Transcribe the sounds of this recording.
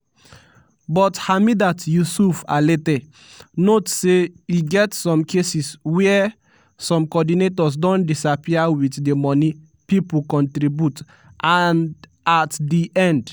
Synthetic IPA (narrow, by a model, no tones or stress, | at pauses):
bɔthamidatjusufa̰letɛ | notseiɡɛtsɔ̃mkʰesiswɛ | sɔ̃mkɔdinetɔs̬dɔ̃ndisapiawitdemɔni | pipukɔ̃ntɾibjut | ʔãn | atdiʔɛ̃nd